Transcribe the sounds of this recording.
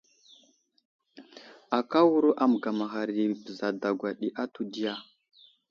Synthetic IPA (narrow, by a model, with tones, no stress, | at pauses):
a˨ka˦wu˦ɾu˦ʔa˨m˨ɡa˨ma˨ɣa˨ɾi˨bə˨za˨da˨ɡʷa˨ɗi˨ʔa˦tu˨di˦ja˨